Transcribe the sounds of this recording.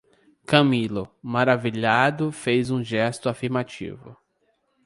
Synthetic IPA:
kɐmilʊmaɾaviʎad̪ʊfejzũʒɛst̪ʊafiɾmat͡ʃḭvʊ̰

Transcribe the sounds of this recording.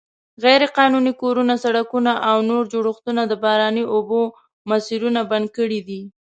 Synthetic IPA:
ɣajɾeqɑnunikoɾunasaɽakunaʔawnoɾd͡ʒoɽʊxt̪unad̪əbɑɾɑniʔobo | masiɾunaband̪̚kəɽid̪i

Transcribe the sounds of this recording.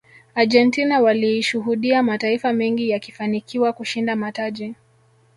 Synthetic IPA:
ad͡ʒɛntinawaliiʃuɦuɗiamataifamɛŋɡijaki̥fanikʰiwakuʃindamataʄi

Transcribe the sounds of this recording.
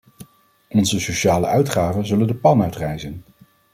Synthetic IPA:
ɔnzəsoʃaːlə̰ʔœɥtχaːvənzɵləndəpɑnœɥtrɛjzən

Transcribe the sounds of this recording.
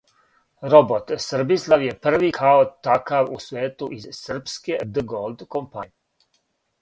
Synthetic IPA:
ɾobot̪sr̩bislˠaʋjepr̩ʋikaot̪akaʋusʋeːt̪uʔizsr̩psked̪əɡolˠd̪kompaɲ

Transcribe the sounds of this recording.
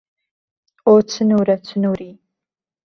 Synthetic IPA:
ot͡sʰɨnuːɾɐt͡ɕʰɨnuːɾiː

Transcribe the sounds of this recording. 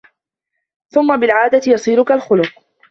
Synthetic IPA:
θʊmːabɪlʕaːd̪at̪ɪjɑsˤiːɾʊkalxʊlʊq

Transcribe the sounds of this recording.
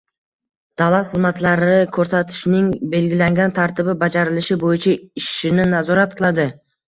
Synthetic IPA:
d̪̥alˠat̪χɨzmat̪laɾɪkʰɵɾsat̪ʰɪ̥ʃnɪŋbe̞lɡʲɪlaŋɡʲant̪ʰaɾt̪ɪbɪbad͡ʒaɾɪlɪʃɪbojɪt͡ʃʰaɪʃɪnɪnazɒɾat̪̚qʰɨlˠad̪ɪ

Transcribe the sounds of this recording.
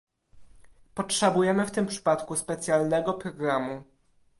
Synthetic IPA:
pɔtʂɛbujɛmɘft̪ɘmpʂɘ̥pat̪kuspɛt̪sʲjalnɛɡɔpɾɔɡɾamu

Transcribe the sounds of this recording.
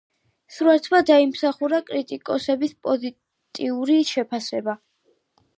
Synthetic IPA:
sɾuaɾt̪ʰvad̪aimsaχuɾakʼɾit̪ʼikʼɔsɛbispʼɔzi | t̪ʼiuɾiʃɛpʰasɛba

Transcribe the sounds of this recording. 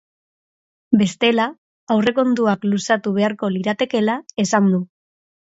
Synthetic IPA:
be̞st̪e̞laː | wre̞ko̞nd̪uaklusat̪uβe̞aɾko̞liɾat̪e̞ke̞lae̞sand̪u

